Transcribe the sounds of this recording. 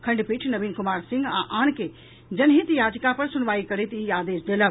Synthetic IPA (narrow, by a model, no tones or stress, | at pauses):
kʰɐ̃ɳɖpiʈʰnɐʋiːnkʊmaːɾsɪ̃ŋɡãʔaːñke | d͡ʒɐnɦit̪jaːd͡ʒkapɐɾsʊnʋaːikɐɾet̪iaːd̪eːsd̪eːləʋ